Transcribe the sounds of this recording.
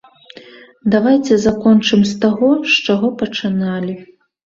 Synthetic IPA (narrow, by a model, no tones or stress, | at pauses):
d̪avajt͡sʲɛzakɔnt͡ʂɨmsʲt̪aɣɔʂt͡ʂaɣɔpɐt͡ʂɨnalʲi